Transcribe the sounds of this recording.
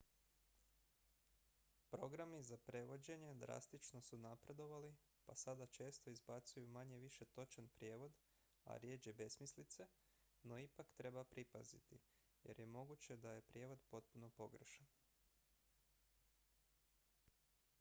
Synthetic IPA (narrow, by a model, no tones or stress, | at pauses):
pɾo̞ɡɾamizapɾe̞ʋo̞d͡ʑe̞ɲe̞d̪ɾa̰st̪it͡ʃno̞sunapɾe̞d̪o̞ʋali | pasad̪at͡ʃe̞ːst̪o̞izbat̪sujumaɲe̞ʋiʃe̞t̪o̞t͡ʃanpɾje̞ːʋo̞d̪ | a̰ɾjeːd͡ʒebe̞smislit̪se̞ | no̞ipakt̪ɾe̞bapɾipazit̪ḭ | je̞̰ɾje̞mo̞ɡut͡ɕe̞d̪aje̞pɾʲje̞ːʋo̞d̪po̞t̪̚puno̞po̞ɡrʃan